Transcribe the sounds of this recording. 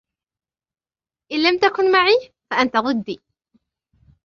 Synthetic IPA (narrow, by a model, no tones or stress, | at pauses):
ʔɪnlamt̪akʊnmaʕiː | faʔant̪aɣʊd̪ːiː